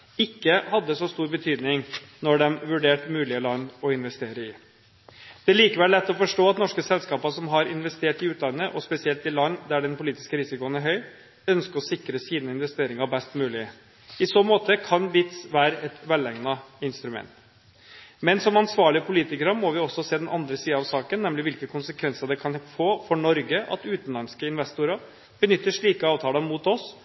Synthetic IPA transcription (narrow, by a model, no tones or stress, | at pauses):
ɪkːəhɑd̪ːəsɔst̪uːɾbət̪ʰyːd̪nɪŋnɔɖɛmʋʉɖeːʈmʉːlɪəlɑnːɔɪnʋɛst̪eːɾəɪ | d̪̥ɛæliːkəʋɛllːɛt̪ːɔfɔʂʈoːɑt̪nɔʂkəsɛlskɑːpəʂɔmɦɑɾɪnʋɛst̪eːʈɪʉːt̪ʰlɑnːəʔɔspɛsɪɛlt̪ɪlɑnːd̪æɖɛnpʊliːt̪ɪ̥skəɾɪsɪkʊənæɾɦœʏ | œnskəɾɔsɪkːɾəsiːnəɪnʋɛst̪eːɾɪŋɑbɛst̪mʉːlɪ | ɪsoːmoːt̪əkʰɑnʋɪt̪sʋæːɾəʔɛt̪ʋɛlɛŋnɑɪnst̪ɾʉmɛ̰nt̪ | mɛnsɔmɑnsʋɑːɭɪəpʰʊliːt̪ɪkəɾəmɔʋɪɔsːɔseːd̪ɛnʔɑnd̪ɾəsiːɑɑʋsɑːkənːɛmlɪʋɪlkəkʰʊnsəkʰʋɛnsəɾd̪ɛkʰɑnfoːfɔɳɔɾɡəʔɑ̰t̪ʉːt̪n̩lɑnskəɪnʋɛst̪ʊɾɑ | b̥ənʏt̪ːəʂɭiːkəɑːʋt̪ʰɑːləmuːt̪ɔs